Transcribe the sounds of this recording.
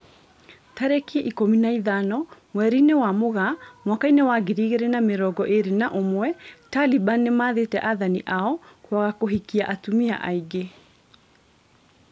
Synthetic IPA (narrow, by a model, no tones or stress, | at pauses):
taɾekieʔikominaiðanɔmwɛɾinewamoɣamwakainewaɡiɾiɣeɾenameɾɔɡɔʔeɾenaʔomwɛtalibanːemaːðetɛʔaðaniʔaɔkwaɣakoɦikiaʔatumia̰ʔaiɡe